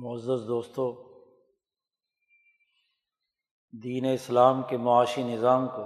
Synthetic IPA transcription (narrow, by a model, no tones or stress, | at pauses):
mʊəzːəsd̪oːst̪õ | d̪iːneɪslaːmkemʊaːʃinɪzaːmko